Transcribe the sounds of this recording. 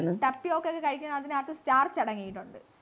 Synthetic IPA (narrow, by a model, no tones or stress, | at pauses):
nːuʈɐpːiokːeokːekɐɻikʲːunːɐðinɨaːt̪ːɨstaːrt͡ɕɐɽɐŋːijiʈːuɳɖɨ